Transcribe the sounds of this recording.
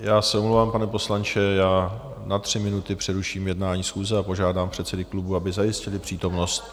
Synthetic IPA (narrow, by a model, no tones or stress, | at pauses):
jaːsɛomlowvaːmpanɛpo̞slant͡ʃɛjaː | nat̪r̥ɪmɪnut̪ɪpr̝̥ɛɾuʃiːmjɛdnaːɲiːsxuːzɛapo̞ʒaːdaːmpr̝̥ɛt̪sɛdɪklubuabɪzajɪscɪlɪpr̥iːt̪o̞mno̞st̪